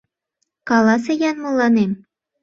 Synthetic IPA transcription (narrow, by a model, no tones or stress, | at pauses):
kɑlɑs̬ejɑnmɤ̆lːɑnem